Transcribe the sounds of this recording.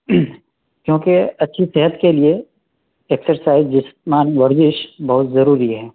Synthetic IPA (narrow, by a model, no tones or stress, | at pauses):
kjõːkeɐtːʃʰiseɦət̪kelie | eːksəɾsaːɪzd͡ʒɪsmaːnʋɐɾd͡ʒɪʃbɐɦʊt̪zɐɾuːɾiɦɛː